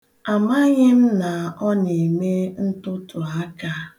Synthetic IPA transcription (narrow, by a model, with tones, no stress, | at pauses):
a˨ma˦ɲɪ˦m̩˦na˨ɔ˦ne˨me˦n̩˦tʊ˦tʊ˨a˦ka˦